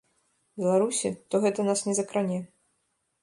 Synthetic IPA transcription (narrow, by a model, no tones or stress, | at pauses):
bʲɛlˠaɾusʲit̪ɔɣɛt̪ɐnasnʲɛzɐkɾanʲɛ